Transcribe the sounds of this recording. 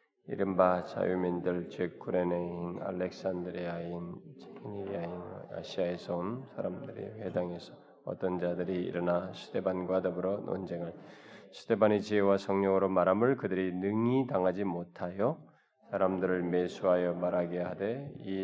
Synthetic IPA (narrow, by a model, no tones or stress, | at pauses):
ḭɾɯmbat͡ɕa̰jumindɯɭt͡ɕek͈ʰuɾeneina̰lːe̞k̚s͈andɯɾiaint͡ɕʰeiniɾiain̰a̰ɕʰiae̞sʰʌɯnsʰaɾamdɯɾḭɸe̞daŋe̞sʰʌ | ʌ̰t͈ʌnd͡ʑadɯɾḭːɾʌnasʰu̥de̞banɡwadʌbɯɾʌno̰nd͡ʑeŋɯɭsʰu̥de̞banet͡ɕiewasʰʌŋɲʌŋɯɾomaɾamɯɭkɯdɯɾinɯŋitaŋɦad͡ʑimotʰajo | sʰaɾamdɯɾɯɭme̞sʰuɦajʌmaɾaɡeɦade̞i